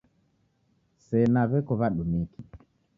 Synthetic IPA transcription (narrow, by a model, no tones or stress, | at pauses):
sɛnaβɛkɔβaɗumiki